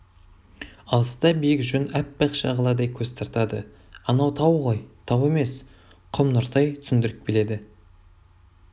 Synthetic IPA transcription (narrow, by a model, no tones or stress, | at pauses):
ɑlˠəst̪ɑbijɪkʒʏnæpːɑqʃɑ̰ʁəlˠɑd̪ɑjkʲʰɵz̥t̪ʰɑɾt̪ɑd̪ə | ɑnɑwt̪ʰɑwʁojt̪ʰɑwe̞me̞s | qʰʊmnʊɾt̪ɑjt̪ʰʏ̥sɪnd̪ɪɾɪk̚bele̞d̪ɪ